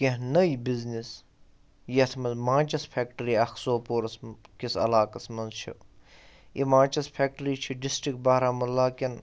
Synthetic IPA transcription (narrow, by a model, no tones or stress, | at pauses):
keɦnɐibiznis | jɐt̪ʰmɐnzmãːt͡ʃɐspʰeːk̚ʈəɾiːɐxʰsoːpoːɾɐskisɐ̰laːkɐsmɐnzt͡ʃʰḭ | jʔimãːt͡ʃɐspʰeːk̚ʈəɾiːt͡ʃʰiɖisʈɾik̚ʈ̚baːɾaːmɐlːaːkʲɐn